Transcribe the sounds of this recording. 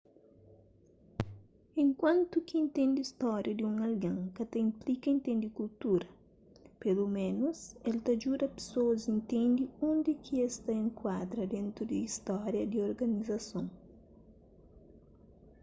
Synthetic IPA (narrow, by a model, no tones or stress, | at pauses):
ẽŋkwãnt̪ukiĩnt̪ẽnd̪ɪist̪ɔɾjɐd̪iũŋɐlɡɐ̃ŋkɐt̪ɐĩmplikɐĩnt̪ẽnd̪ikult̪uɾɐ | pelumẽnoselt̪ɐd͡ʒuɾɐpe̥soɐzĩnt̪ẽnd̪iõnd̪ɪkʰiest̪aẽŋkwad̪ɾɐd̪ẽnt̪ɾud̪iist̪ɔɾjɐd̪ioɾɡɐnizɐsõŋ